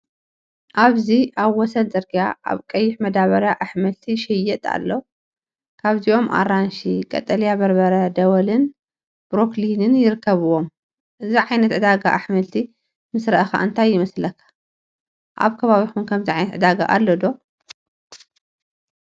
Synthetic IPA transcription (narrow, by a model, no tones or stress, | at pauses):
ʔaβziʔaβwɔsɐlzʼɐɾɡijaʔa̰βkʼɐjːɪħmɐd̪aβɐɾjaʔaħmɐlt̪ʰiʃɛjːɛt̪ʼa̰lːo | kʰaβziʔo̞mʔa̰ɾanʃikʼɐ̰t̪ʼɐlijabɐɾbɐɾɐd̪ɐwɐlɨn | bɾoklinɨnjɪɾɨkːɐβɨwom | ʔɨziʕajnɐt̪ʕɨd̪aɡa̰ʔaħmɐlt̪ʰi | mɨsɾɐʔxa̰ʔɨnt̪ʰajːɪmɐslɐkʰːḁ | ʔa̰βkʰɐβaβixunkʰɐmziʕajnɐt̪ʕʔɨd̪aɡa̰ʔalːod̪o̞